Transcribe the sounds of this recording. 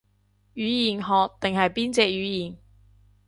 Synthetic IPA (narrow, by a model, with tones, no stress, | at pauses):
jyː˨˥jiː˨˩nɦɔː˨k̚t̪ɪ˨ŋɦɐ˨jpiː˥nt͡sɛː˧k̚jyː˨˥jiː˨˩n